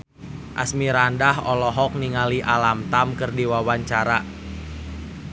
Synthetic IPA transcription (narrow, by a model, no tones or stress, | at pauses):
ʔa̰smiɾandaɦɔlɔɦɔk̚niŋaliʔalamt̪amkɨrdiwawaɲt͡ʃaɾa